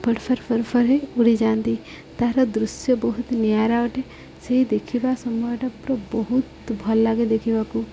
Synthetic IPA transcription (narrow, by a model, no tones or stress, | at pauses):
pʰɐɽpʰɐɾpʰɐɾpʰɐɾɦeʊɽid͡ʒaːnt̪i | t̪aːɾɐd̪ɾʊsjəbɔɦʊt̪njaːɾaʈɛ | seɦid̪ekʰibasɔmujʈɐpɾɔbɔɦut̪bʱɔlːaɡed̪ekʰibaku